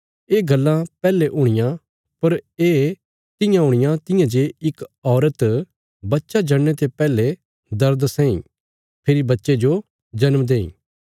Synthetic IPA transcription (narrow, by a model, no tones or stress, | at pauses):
eːɡɐlːãpɛːleʔʊɽ̃ɪjã | pɐɾeː | t̪ɪjãɦʊɽ̃ɪjãt̪ɪjãd͡ʒeɪkɔːɾət̪ | bɐtːʃad͡ʒɐɽnet̪epɛːle | d̪ɐɾd̪sɛ̃ĩ | pʰeːɾibɐtːʃed͡ʒo | d͡ʒɐnmd̪eːḭ̃ː